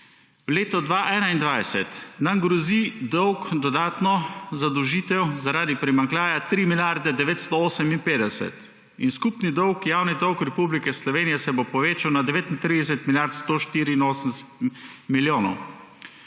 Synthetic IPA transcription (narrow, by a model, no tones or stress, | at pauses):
wleːt̪ɔd̪ʋaːʔɛːnaind̪ʋajsɛt̪namɡɾɔzid̪ɔwkd̪ɔd̪aːt̪nɔzad̪ɔwʒiːt̪ɛwzaɾaːd̪ipɾimaŋklʲaːjat̪ɾimiljaɾd̪ɛd̪ɛʋeːt̪st̪ɔoːsɛminpeːd̪ɛsɛ̰t̪ | ḭnskupnid̪ɔwkjaːwnɛd̪ɔwkɾɛpublikɛslɔʋeːnijɛsɛbopɔʋeːt͡ʃawnad̪ɛʋeːt̪int̪ɾiːd̪ɛsɛt̪miljaɾt̪st̪oʃt̪iːɾiːnoːsənst̪miljoːnɔw